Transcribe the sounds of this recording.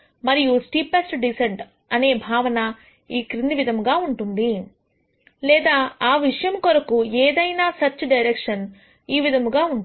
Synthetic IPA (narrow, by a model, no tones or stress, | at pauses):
mɐɾijusʈiːpesʈɖiseɳʈ | ɐneːbʱaːʋɐnɐ | iːkɾind̪iʋid̪ʱɐmɡaːuɳʈund̪i | lɛːd̪aːaːʋiʂɐjɐmkɔɾɐkueːd̪ɐjnaːsɐt͡ʃɐɖɐjɾekʂɐn | iːʋid̪ʱɐmɡaːuɳ